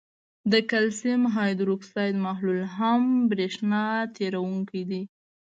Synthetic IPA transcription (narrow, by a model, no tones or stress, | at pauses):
d̪əkalsɪmɦɑjd̪ɾuksɑjt̪maɦlulɦambɾeʂnɑt̪eɾawuŋkid̪i